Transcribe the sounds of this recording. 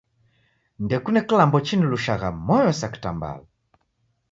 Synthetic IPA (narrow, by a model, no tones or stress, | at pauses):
ndɛkunɛkilambɔt͡ʃinuluʃaɣamɔjɔsaki̥tamba̰la